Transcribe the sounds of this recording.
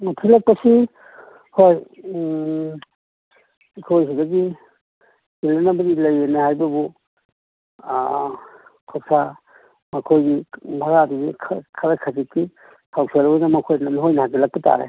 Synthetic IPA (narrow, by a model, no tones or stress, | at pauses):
atʰilak̚pasi | hoj | kʰojs̬idaɡi | ilanabɐdilajenahajbɐbu | kʰapsa | makʰojɡibʱaɡadaɡikʰkʰaɾakʰazitːi | hʰawselabnamakʰojnanihojnahatʰilak̚pita̰ɾḛ